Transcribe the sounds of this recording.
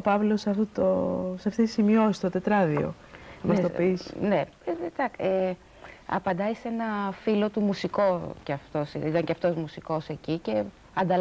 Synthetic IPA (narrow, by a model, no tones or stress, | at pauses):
opɐvlosɐft̪ot̪osɐft̪it̪isimio̞sist̪ot̪e̞t̪ɾɐðio̞̰ | mɐst̪opisne | t̪ɐke | ɐ̰pɐnd̪ɐise̞nɐfilo̞t̪umusiko̞ceɐft̪o̞siit̪ɐŋceɐft̪ozmusiko̞secice̞ | ɐnd̪ɐl